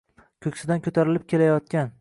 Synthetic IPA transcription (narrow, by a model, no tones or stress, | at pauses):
kʲʰɵkʲsɪd̪ankʰɵt̪ʰaɾɪlɪp̚kʲʰe̞lajɒt̪kʲan